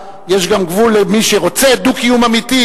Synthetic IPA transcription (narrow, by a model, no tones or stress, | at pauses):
jeʃɡamɡvulemiʃeʁo̞t͡sed̪ukijumamit̪i